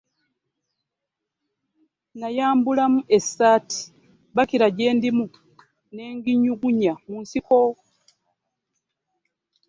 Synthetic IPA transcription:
najaːmbulamuʔe̞sːaːti̥ | βakiɾaɟe̞ːndimu | ne̞ːŋɡiɲuɡuɲamunsiko

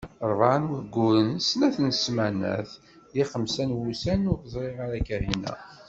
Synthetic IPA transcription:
ɾˤvaʕnwəɡːuɾənsnæθnsmænæ̰θ | ðiχəmsænwusænʊθzˤɾiʁaɾækæhinæ̰

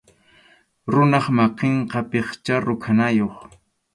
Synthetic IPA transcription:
ɾʊnɑχmɑqeɴqɑpeχt͡ʃaɾʊkʰanajoχ

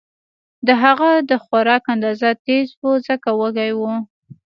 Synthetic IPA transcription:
d̪əɦaɣad̪əxaɾɑkand̪ɑzat̪ezbozəkawəɡajwu

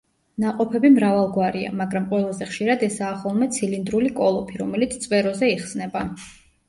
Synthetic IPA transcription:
naqʼɔpʰɛbimɾavalˠɡwaɾia̰maɡɾamqʼwɛlˠazɛχʃiɾad̪ɛsaːχɔlˠmɛt̪sʰilind̪ɾulikʼɔlˠɔpʰiɾɔmɛlit̪sʰt̪sʼvɛɾɔzɛiχsnɛba

